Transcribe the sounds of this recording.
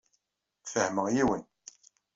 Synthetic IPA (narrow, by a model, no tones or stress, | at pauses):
fəhməʁjiwən